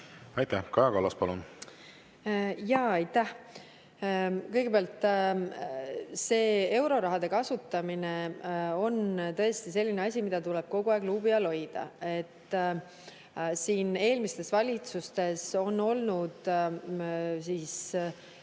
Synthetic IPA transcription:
ɑjt̪æhkɑjɑkɑlːɑspɑlun | jɑːɑjt̪ːæh | kɤjɡ̥e̞peɑlt̪ːˑ | se̞ːe̞wɾo̞ɾɑɦɑd̪̥e̞kɑsut̪ːˑɑmineo̞nt̪ɤ̞est̪ise̞lːineɑsʲimid̪̥ɑt̪uleb̥̚ko̞ɡ̥uɑːɡ̥luːbiɑlo̞jd̪̥ɑ̰e̞t̪ː | siːne̞ːlmist̪e̞svɑlʲit̪sust̪e̞so̞nːo̞lnud̪̥ | sis

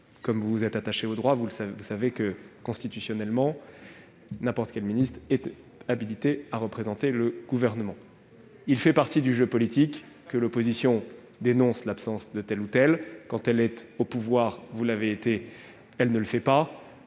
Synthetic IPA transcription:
kɔmvuzɛt̪aaʃeod̪ʁwavusvusavekəkɔ̃st̪it̪ysjɔnɛlmɑ̃ | nɛ̃pɔʁt̪əkʲɛlminist̪χɛt̪ | abilit̪eaʁəpχezɑ̃t̪eləɡ̥uvɛʁnəmɑ̃ | ilfɛpaʁt̪id̪yʒøpɔlit̪ikː | əlɔpozisjɔ̃ | d̪enɔ̃slapsɑ̃sd̪ət̪ɛlut̪ɛlkɑ̃t̪ɛlɛt̪opuvwaʁvulaveːt̪e | ɛlnələfɛpa

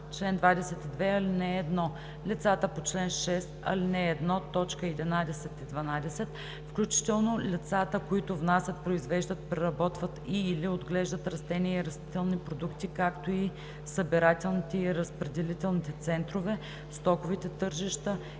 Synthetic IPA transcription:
t͡ʃlɛnd̪vad̪ɛsɛt̪id̪vɛɐlinɛːd̪nɔ | lʲit̪sat̪əpot͡ʃlɛnʃɛst̪ɐ̰linɛːd̪nɔt̪ɔt͡ʃkəɛd̪ɛnad̪ɛsɛt̪id̪vɐnad̪ɛsɛt̪ | fklʲut͡ʃi̥t̪ɛlˠnolʲit̪sat̪əkoit̪ʊvnasʲɐt̪̚pɾoizvɛʒd̪ət̪pɾɛɾɐbɔt̪vət̪iːliod̪ɡlɛʒd̪ət̪ɾɐst̪ɛniɛiɾɐst̪it̪ɛlˠnipɾod̪ukt̪ikakt̪oi | səbiɾat̪ɛlˠnit̪ɛiɾəspɾɛd̪ɛlit̪ɛlˠnit̪ɛt̪sɛnt̪ɾovɛ | st̪ɔkovit̪ɛt̪ɤɾʒiʃt̪ə

